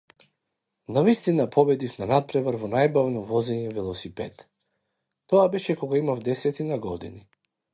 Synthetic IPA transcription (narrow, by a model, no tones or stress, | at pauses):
navist̪inapʰɔbɛd̪ifnanat̪̚pɾɛvaɾvɔnajbavnɔvɔzɛɲɛvɛlˠɔsipɛt̪ | t̪ɔabɛʃɛkɔɡaimavd̪ɛsɛt̪inaɡɔd̪ḭni